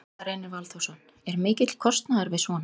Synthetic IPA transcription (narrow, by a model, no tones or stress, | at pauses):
ɾejnɪvalθowsɔnː | ɛɾmɪːcɪt̪l̥kʰɔst̪naðaɾvɪðsvɔːna